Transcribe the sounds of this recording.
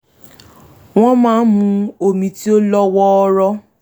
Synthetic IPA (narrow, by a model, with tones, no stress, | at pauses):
w̃ɔ̃˦mãː˦mũ˧o˧mĩ˧ti˦o˦lɔ˦wɔ˦ɔ˧˦ɾɔ˦